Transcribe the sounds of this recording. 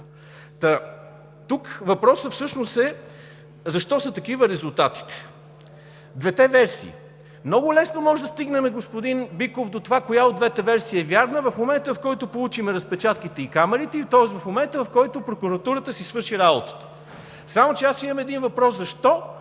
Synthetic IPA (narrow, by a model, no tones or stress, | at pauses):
t̪ɐ | t̪ukvɐpɾɔsəfsɤʃnosɛ | zɐʃt̪ɔsət̪ɐkivəɾɛzulˠt̪at̪i̥t̪ɛ̥ | d̪vɛt̪ɛvɛɾsḭː | mnɔɡʊlɛsnomɔʒd̪ɐst̪iɡnɛmɛɡospʊd̪inbikofd̪ot̪ovakojaod̪d̪vɛt̪ɛvɛɾsiːɛvʲjaɾnəvɐfmomɛnt̪əvɐfkɔjt̪opolˠut͡ʃimɛɾɐspɛt͡ʃat̪kit̪ɛikamɛɾit̪ɛit̪ɔɛst̪vɐfmomɛnt̪əvɐfkɔjt̪opɾokuɾɐt̪uɾət̪əsisvɤɾʃiɾabot̪ə̥t̪ə̥ | samot͡ʃɛasimɐmɛd̪invɐpɾɔszɐʃt̪ɔ